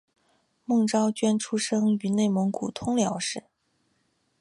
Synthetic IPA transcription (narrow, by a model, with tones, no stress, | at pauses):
mɤ˥˩ŋʈ͡ʂɑ˥ʊt͡ɕɥɛ˥nʈ͡ʂʰu˥ʂɤ˥ŋy˧˥ne˥˩ɪmɤ˧˥ŋku˨˩t̪ʰʊ˥ŋljɑ˧˥ʊʂɻ̩˥˩